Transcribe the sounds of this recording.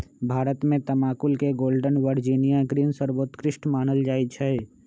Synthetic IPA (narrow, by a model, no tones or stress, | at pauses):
bʱaːɾət̪mẽt̪əmaːkʊlkeɡoːlɖənʋəɾd͡ʒiːnijaɡɾiːnsəɾʋoːt̪kɾɪʃʈmaːnəld͡ʒaːit͡ʃʰɛ